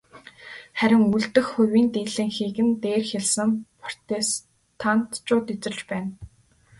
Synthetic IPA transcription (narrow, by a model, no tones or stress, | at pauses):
χæɾʲɪ̆ŋuɮt̪ɘ̆xxːʊwiːnt̪eːɮɘ̆ŋxiːkɘ̆nt̪eːrxeɮsɘ̆ŋpʰɔr̥t̪eːs | t̪ʰant̪t͡ɕʊːt̪it͡sɘ̆t͡ɕpæːn